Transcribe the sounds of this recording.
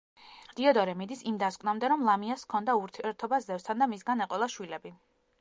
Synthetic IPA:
d̪̥iɔd̪ɔɾɛmid̪isimd̪askʼwnamd̪ɛɾɔmlˠamiaskʰɔnd̪auɾt̪ʰiɛɾt̪ʰɔbaszɛfst̪ʰand̪amisɡanɛqʼɔlˠaʃwilɛbi

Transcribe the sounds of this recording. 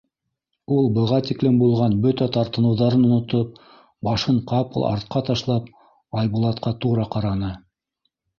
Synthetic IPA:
ulˠbɤ̆ʁɑt̪iklɘmbulˠʁɑnbɵt̪æt̪ɑɾt̪ɤ̆nɤ̆wðɑɾɤnŏnŏt̪op̚ | bɑʃɤɴqɑpɤ̰lˠʔɑ̰ɾt̪̚qɑt̪ɑʃlˠɑp | ɑjbulˠɑt̪̚qɑt̪uɾɑqɑɾɑnɤ

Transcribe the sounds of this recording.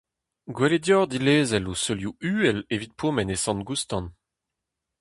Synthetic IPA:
ɡweledjɔʁd̪ileːzɛlosøljuyːɛlevit̪̚pʰomɛnesɑ̃nɡust̪ɑ̃n

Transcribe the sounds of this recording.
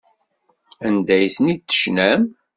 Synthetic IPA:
ænd̪æjθənit̪ːə̥ʃnæm

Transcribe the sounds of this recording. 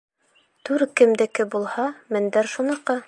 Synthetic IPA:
t̪ʉɾkɘ̆md̪ɘ̆kɘbulˠhɑmɘ̆nd̪æɾʃunɤ̆ɾqɤ

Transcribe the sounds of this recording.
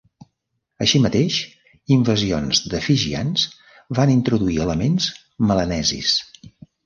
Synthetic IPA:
əʃimət̪eʃ | iɱvəzionzðəfiʒianz | βanint̪ɾuðuiələmenz | mələnɛzḭs

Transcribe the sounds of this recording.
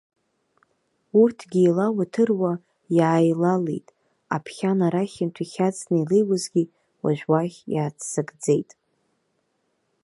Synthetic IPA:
urtʰɡʲiːlawatʰɨrwa | jaːjlalḛjtʼ | a̰pʰχʲanaɾaχʲɪntʰiχʲat͡sʰnejlejwazɡʲi | wa̰ʒᶣwaχʲjaːt͡sʰsɨɡʼd͡ze̞jtʼ

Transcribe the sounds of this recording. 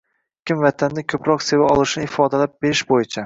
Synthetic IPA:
kʲɪmvat̪ʰand̪ɪkʲʰɵpɾɒqse̞vaɒlˠɪʃnɪɪfɒd̪alap̚b̥e̞ɾɪʃbojɪt͡ʃʰa

